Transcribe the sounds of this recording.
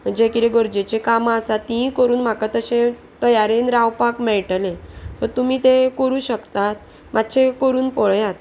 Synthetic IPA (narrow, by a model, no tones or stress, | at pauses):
d͡ʑekiɾeɡəɾd͡ʑet͡ɕekamasat̪ːĩkəɾuːnm̤akat̪əɕẽ | t̪əjaɾinɾawpakmɛɭʈlet̪əɾt̪umiːt̪ekəɾuːɕəkt̪at̪̚ | mʔat̪ːɕʰekəɾuːnpɔɭjat̪̚